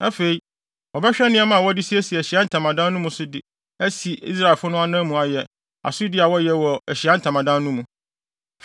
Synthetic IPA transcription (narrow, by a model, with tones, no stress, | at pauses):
ɛ˦fe˨i˦ | ɔ˨bɛ˦ɕᶣɛ˦nɪ̃˦ɛ˦mã˨wɔ˦dɪ˦si˦ɛ˦si˨æ˨ɕi˨a˦n̩˦tʰã˨mã˨dã˦n˦nũ˦mũ˨sʊ˦dɪ˨ | æ˦si˨ḭ˦s̬ɾa˨e˨fʊ˦nʊ̃˦a˦nãː˦mũ˨a˨jɛ˨ | a̰˨sʊ˦dɪ˦a˨wɔ˦jɛ˨wɔ˨æ˨ɕi˨a˦n̩˦tʰã˨mã˨dã˦nũ˦mũ˨